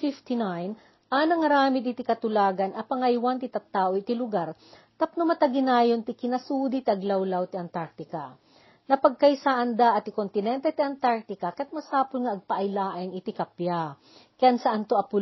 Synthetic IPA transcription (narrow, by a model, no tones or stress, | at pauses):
fift̪ɪnajn | ʔɐnɐŋɐɾaːmɪd̪ɪt̪ikɐt̪ʊlaːɡɐnʔɐpɐŋɐjwant̪ɪt̪ɐt̪ːaːʔoɪt̪ɪlʊɡaɾ | t̪ɐp̚nomɐt̪ɐɡɪnaːjont̪ɪkɪnɐsuːd̪it̪iʔɐɡlɐwlawt̪ɪɐnt̪aɾk̚t̪ɪka | nɐpɐɡ̚kɐjsaʔɐnd̪aʔɐt̪ɪkont̪ɪnɛnt̪ɛt̪iʔɐnt̪aɾk̚t̪ɪkɐkɐɐt̪̚mɐsaːpolŋɐʔɐɡ̚pɐʔɐjlaːʔanɪt̪ɪkɐpja | kɐjansɐʔant̪oʔɐpʊ